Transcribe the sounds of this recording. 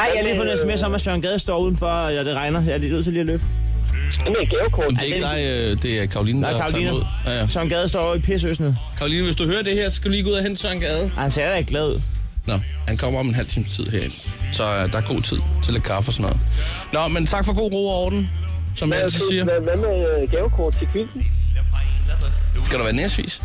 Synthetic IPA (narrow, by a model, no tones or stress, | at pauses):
ɑɪ̰jɑliːfɒnesme̝ɐsɔ̽ɒ̽mæsœɐnɡ̥ɛːð̞ˠəsd̥ɒ̰ːuð̞̰ˠn̩fɒ | ɒd̥e̝ʁɑ̈ɪnɐjɑlinøð̰ˠt͡sʰeliːælø̰ːb̥ | eneɡ̥ekʰɔmd̥eeɡdɑ̈ɪød̥e̝ækʰɑ̈ʁʊlḭːnkɑ̈ːlinuð̰ˠ | sɶɐnɡ̥ɛð̞ˠsd̥ɒ̰ʊipʰes̬øsnəð̩ˠkʰɑ̈ʊliːnəʋe̝sd̥uhøːɐd̥e̝heɐ̰sskɡ̥æd̥uliːɡo̝ðˠɐɦent͡sʰsœɐnɡ̥ɛːðˠhænseɐɾæeɡ̥lɛðˠṵð̰ˠnɒhænkʰɒ̽m̰ɐɒ̽menɦælt͡sʰḭːm̩st͡sʰið̰ˠɦeɐ̰ensɒ̽d̥ɑ̈æɐɡ̥o̝̰ːt͡sʰið̞̰ˠt͡sʰe̝lækʰɑ̈fəsɒnɔ̽ːð̩ˠ | nɒment͡sʰɑ̈ɡ̥fɒ̽ɡ̥o̝̰ːʁo̝̰ːɒːd̥n̩sɒ̽mjassiːɐʋæmeɡ̥ɛːʊkʰɔːd̥̚t͡sʰeb̥ʰyl̩ | sɡ̥æd̥uʋæːɐnesʋḭːs